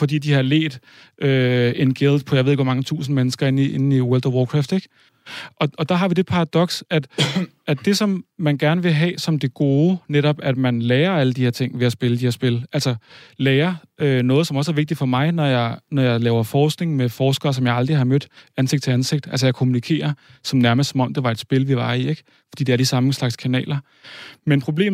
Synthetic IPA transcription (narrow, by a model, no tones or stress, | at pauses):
fɒ̽d̥ḭːd̥ihɑ̈lḛːd̥ | ʔøe̝nɡ̥eld̥pʰɒ̽jɑɪʋe̝ðˠeɡʋɒ̽mɑ̈ŋət͡sʰṵːs̬n̩menəsɡ̥ɐe̝niʔenn̩iwɛld̥ɒwɒːkʰʁɑfd̥eɡ̥ | ʔɒ̽ɒ̽d̥ɑ̈ɦɑ̈ʋid̥e̝̥pʰɑ̈ʁɑd̥ɒ̽ɡ̥sæd̥ | æd̥e̝sɒ̽mːænɡ̥æɐnəʋe̝ɦɛ̰ːsɒ̽md̥eɡ̥o̝ːneɾɒ̽b̥æd̥mænlɛːɐæləd̥ihe̝ɐt͡sʰe̝ŋ̰ʋe̝æsb̥e̝ləd̥iheɐ̰sb̥e̝lælsɐlɛːɐønɔ̽ːð̩ˠsɒmɐɒ̽səæɐʋeɡ̥̚d̥i̥fɒ̽mɑ̈ɪnɒjɑ̈ɪnɒjɑ̈ɪlɛːʊɐfɒːsɡ̥ne̝ŋmefɒːsɡ̥ɐːs̬ɒ̽mjɑ̈ɪɑld̥ʁihɑ̈mød̥ænse̝ɡ̥̚d̥t͡sʰe̝ænse̝ɡ̥̚d̥ælsəjɑ̈ɪkʰo̝munikʰe̝̰ːɐsɒ̽mnæɐmɐsɒ̽mɒ̽md̥e̝ʋɑ̈e̝d̥sb̥e̝lʋiʋɑ̈ieɡ̥ | fɒ̽d̥ḭːd̥eæɐd̥isɑ̈məslɑ̈ɡ̥skʰænɛ̰ːlɐ | menpʰʁo̝b̥le̝̰ː